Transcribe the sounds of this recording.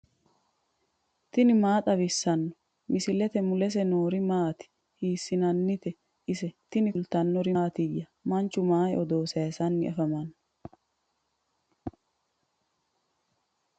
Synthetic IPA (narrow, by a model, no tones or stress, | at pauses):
t̪ɪnɪmaːt̪ʼɐβɪsːɐnːɔ | mɪsɪlɛt̪ɛmʊlɛs̬ɛnoːɾɪmaːt̪ɪ̥ | hiːsːɪnɐnːɪt̪ɛ | ʔɪsɛt̪ɪnɪlt̪ɐnːɔɾɪːt̪ɪjːɐmɐnt͡ʃːʊmaːjɔd̪oːsɐjsɐnːɪʔɐfɐmɐnːɔ